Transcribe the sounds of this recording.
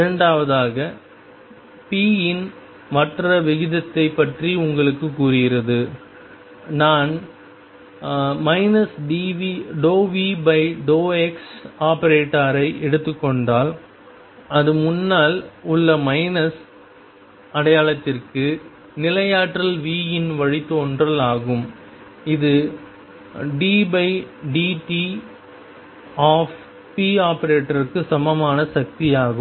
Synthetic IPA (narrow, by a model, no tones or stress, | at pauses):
ɪɾɐɳɖaːʋɐðaːɣɐ | piːɪn | mɐʈrɐʋɪɣɪðɐt̪ːɐɪpːɐʈriʊŋɡɐɭɯkːɯkːuːrɪɣɪɾɐðɯ | naːn | mɐɪnɐsɖiːʋiɖoːʋibɐɪɖoːɛksaːpɐɾeːʈːaːɾɐɪʔɛɽɯt̪ːɯkːɔɳɖaːl | ɐðɯmʊnːaːlʊɭːɐmɐɪnɐs | ɐɽɐjaːlɐt̪ːɪrkɯ | nɪlɐjaːʈrɐlʋiːjɪnʋɐɻɪt̪ːoːndrɐlaːɣɯm | ɪðɯ | ɖiːbɐɪɖiːʈi | aːf | piaːpɐɾeːʈːɐɾkːɯsɐmɐmaːnɐsɐk̚t̪ijaːɣɯm